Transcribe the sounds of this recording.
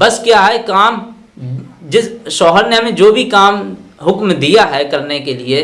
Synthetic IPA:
bɐskjaːɦɛkaːm | d͡ʒɪsʃɔːɦəɾneɦɐmẽd͡ʒoːbʱikaːmɦʊkmd̪ijaɦɛkɐɾnekelie

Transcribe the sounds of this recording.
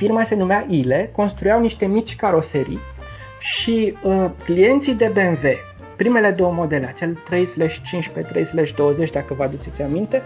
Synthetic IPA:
firmase̞numeaʔile̞ko̞nst̪ɾujawniʃt̪e̞mit͡ʃʲkaɾo̞seɾḭ | ʃiəklije̞nt̪sijd̪e̞bemve̞ | pɾime̞le̞d̪o̞wəmo̞d̪e̞leat͡ʃe̞lt̪ɾe̞jsleʃt͡ʃint͡ʃpet̪ɾejsleʃʲd̪o̞wəzet͡ʃʲd̪akəvəad̪ut͡ʃet̪sʲamint̪e̞

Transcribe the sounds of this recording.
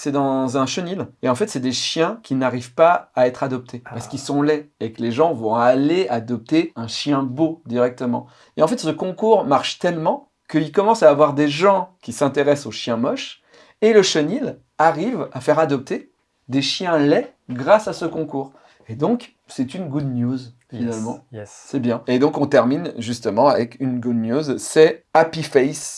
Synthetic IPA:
sɛd̪ɑ̃zɛ̃ʃənileɑ̃fɛt̪sɛd̪eʃjɛ̃kʲinaʁivpaaɛt̪χad̪ɔp̚t̪ʰepaʁsə̥kilsɔ̃lɛekəleʒɑ̃vɔ̃alead̪ɔp̚t̪eɛ̃ʃjɛ̃bod̪iʁɛk̚t̪əmɑ̰̃ | eɑ̃fɛt̪səkɔ̃kuʁmaʁʃt̪ɛlmɑ̃ | kəilkɔmɑ̃saːvwaʁd̪eʒɑ̃kʲisɛ̃t̪eʁɛsoʃjɛ̃mɔʃ | eləʃənil | aʁivafɛʁad̪ɔp̚t̪e | d̪eʃjɛ̃lɛɡʁasasəkɔ̃kuːʁ | ed̪ɔ̃k | sɛt̪ynɡud̪njuzfinalmɑ̃ɛsɛbjɛ̃ed̪ɔ̃kɔ̃t̪ɛʁminʒyst̪əmɑ̃avɛkynɡud̪njozsɛapifɛjs

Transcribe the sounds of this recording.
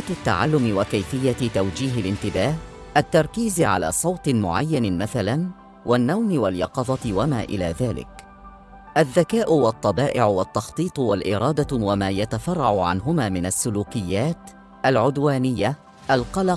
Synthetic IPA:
t̪ʊt̪ːaʕalːʊmɪwakajfɪjːat̪awd͡ʒiːɦalʔɪnt̪ɪbaːh | ʔat̪ːɑɾˤkiːzʕa̰la̰ːsˤɑwt̪ˤmʊ̰ʕajːanmaθalan | wʔanːawmɪwaljɑqɑðˤɑt̪wamaːʔɪ̰la̰ːðaːlɪ̰k | ʔaðːakaːʔʊwɑt̪ˤːɑbɑːʔɪʕʊwat̪ːɑxt̪ˤiːt̪ˤwalʔɪɾˤɑːd̪awamaːjat̪afɑrˤːɑʕʊʕa̰nɦʊmaːmɪnasːʊluːkɪjːaːt̪ | ʔalʕʊd̪waːnɪjːa | ʔalqɑlɑq

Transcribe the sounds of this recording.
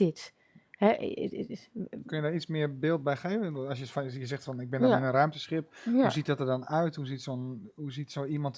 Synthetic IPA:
ɪt | hɛʔ | kønjədaːɹit͡smɪəɹbɪːlˠt̚bɛjxeːvənɔsjəfjəzɛxtfɔnɪɡ̚bɪndɔɪnənrœɥmtəsχɪp̚huzitdɔtərdɔnœɥthuzitsonɦuzitsoːimɔnt

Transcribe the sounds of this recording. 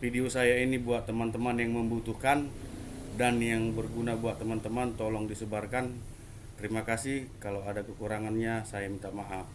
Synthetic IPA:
fideosajainibuatt̪ːəmant̪əmanjaŋməmbut̪uhkan | danjaŋbərɡunabuat̪əmant̪əmant̪olɔŋdisəbarkan | t̪əɾimakasɪhkalawadakəkuɾaŋanɲasaɪmt̪aʔmaʔaf

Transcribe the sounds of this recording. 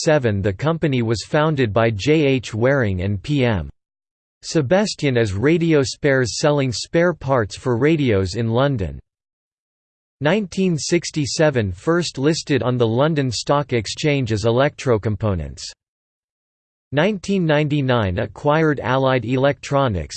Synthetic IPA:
sɛvɨ̃nðɨkʰʌ̃mpɨniwʌz̥fãʊ̃ndɨd̚baɪd͡ʒeɪeɪt͡ʃwɛɹɪ̃ŋɨ̰̃npʰiɛ̃m | sɨbæstɨ̃nɨzɹeɪɾioʊspɛɹz̥sɛlˠɪ̃ŋspɛɹpʰɑɹtsfə˞ɹeɪɾioʊzɨ̃nlʌ̃ndɨ̰̃n | ãɪ̃ntʰĩnsɪkstisɛvɨ̃nfɜ˞stˡlɪstɨɾn̩ðəlʌ̃ndɨ̃nstɑkɨkst͡ʃʰẽɪ̃nd͡ʒɨzəlɛk̚tʰɹ̥oʊkɨ̃m̩pʰõʊ̃nɨ̰̃nts | ãɪ̃ntʰĩnːãɪ̃ntinãɪ̃nɨkʰw̥aɪə˞ɾæ̰lˠaɪɾɪlɛk̚tʰɹ̥ɑnɨ̰ks

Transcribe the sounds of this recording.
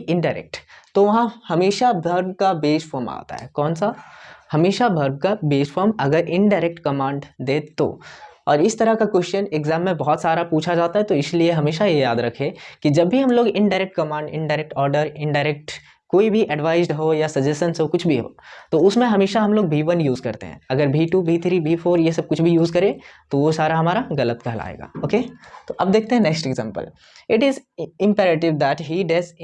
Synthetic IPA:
ɪ̃ɳɖaɪɾɛ̰k̚ʈt̪oʋɐɦãhɐmeːʃabʱɐɾɡkabeːsʈfʰoːɾma̰ːt̪a̰ɦɛ̰ːkɔːnsahɐmeːʃabʱɐɾb̚kabeːsfoːɾmɐɡəɾɪ̃ɳɖaːɪɾek̚ʈkɐmãːɳɖd̪eːt̪o̰ːɔːɾɪst̪ɐɾəkakwɛʃʈəneɡzãːmːẽbɔɦɔt̪saːɾapuːt͡ʃʰad͡ʒaːt̪aɦɛt̪oɪslieɦɐmeːʃajejaːd̪ɾɐkʰẽkid͡ʒɐbːʱiɦɐmloːɡɪ̃ɳɖaɪɾɛk̚ʈkɐmãːɳɖɪ̰̃ɳɖaɪɾɛk̚ʈɔːɾɖəɾɪ̃ɳɖaːɾɛk̚ʈ | koːibʱiʔɐɖʋaːɪzɖɦoːjasɐd͡ʒɛsənsɦokʊt͡ʃʰbʱiɦo̰ːt̪oʊsmẽɦɐmeːʃaɦɐ̃mloːɡbʱiːʋənjuːzkɐɾt̪ḛɦɛ̰̃ɐɡəɾbʱiːʈubʱiːt̪ʰɾibʱiːfoːɾjesɐb̚kʊt͡ʃʰbʱijuːzkɐɾẽt̪oʋosaːɾaɦɐmaːɾaɣɐlət̪kɐɦla̰ːḛːɡa̰ːoːkeːt̪oːʔɐb̚d̪eːk̚ʰt̪ẽɦɛ̃neksʈeɡzã̰ːmpə̰l | ɪʈɪzɪ̃mpɛːɾeʈɪʋd̪æʈɦiɖes

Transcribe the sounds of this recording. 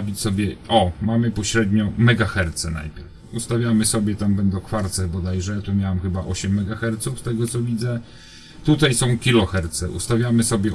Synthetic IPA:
vʲit͡ɕʲsɔbʲjɛʔɔmamɘpɔɕɾɛd̪ɲɔmɛɡaxɛɾt̪sɛna̰jpʲjɛɾf | ust̪avʲjamɘsɔbʲjɛt̪ambɛnd̪ɔ̃w̃kfaɾt̪sɛbɔd̪ajʐɛt̪umʲjawamxɘbaʔɔɕɛmːɛɡaxɛɾt̪suft̪ɛɡɔt̪sɔvʲid̪zɛ | t̪ut̪ajsɔ̃w̃kʲilɔxɛɾt̪sɛʔṵst̪avʲjamɘsɔbʲjɛ

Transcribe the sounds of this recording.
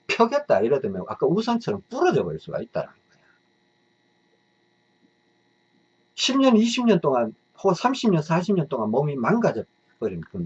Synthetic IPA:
pʰjʌɡjʌt̚t͈aiɾʌdɯmjʌa̰k͈ausʰʌnt͡ɕʰʌɾʌmp͈uɾʌd͡ʑʌbʌɭs͈uɡa̰it̚t͈a̰ɾa̰nɯnɡʌeo | ɕʰimɲʌniɕʰimɲʌnt͈oŋan | hosʰamɕʰimɲʌnsʰaɕ̬ʰimɲʌnt͈oŋanmʌmimanɡad͡ʑʌ | p͈ʌɾimk͈ɯn

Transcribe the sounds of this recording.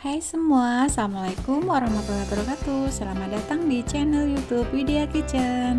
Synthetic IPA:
hajsəmuasalamalaikumoɾaŋmapəɾkapəɾukat̪usəlamadat̪aŋdit͡ʃɛnəljut̪up̚fideakit͡ʃən

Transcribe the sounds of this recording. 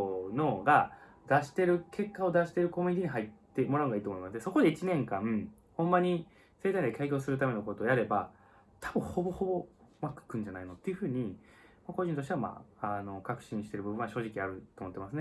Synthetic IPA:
no̞ɡa | d̪aɕi̥t̪e̞ɾɯ̟kʰe̞kːao̞d̪aɕi̥t̪e̞ɾɯ̟ko̞mʲiɲit̪iɲ̟iɦait̪ːe̞mo̞ɾanɡaiːt̪omo̞imasɨd̪eso̞ko̞d̪e̞it͡ɕinẽ̞ŋkã | hõ̞mːaɲ̟i | se̞ːt̪aĩnd̪ekaikʲo̞ːsɨɾɯ̟t̪ame̞no̞ko̞t̪oːjaɾe̞ba | t̪ʰabɯ̟̃ho̞bo̞ho̞bo̞ | makɯ̥kɯ̟̃ɲ̟d͡ʑanainot̪ːe̞jɯ̟ɸɯːɲ̟i | mako̞ʑĩnt̪oɕit̪e̞ama̰ano̞kakɯ̟̥ɕĩɰ̃ɕi̥t̪e̞ɾɯbɯbɯ̟ɰ̃βaɕo̞ːʑikʲiaɾɯ̟t̪oːmo̞t̪ːe̞masɨne

